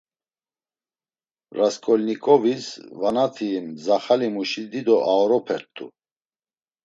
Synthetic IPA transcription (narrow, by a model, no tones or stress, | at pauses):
ɾaskʼɔlnikʼɔvisvanat̪ʰiːmzaχalimuʃid̪id̪ɔʔaɔɾɔpʰɛɾt̪ʰːṵ